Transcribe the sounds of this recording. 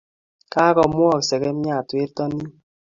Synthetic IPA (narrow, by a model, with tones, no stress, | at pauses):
ka˦kɔ˨mwɔ˦˨ksɛ˨kɛ˨˦m˦a˦˨twe˦tɔ˦ni˦